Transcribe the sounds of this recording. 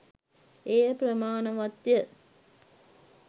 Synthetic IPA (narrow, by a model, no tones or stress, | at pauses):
eːpɾɐmaːnɐʋɐt̪jə